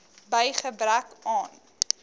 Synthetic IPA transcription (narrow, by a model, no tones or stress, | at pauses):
bəjχəbrækɑːn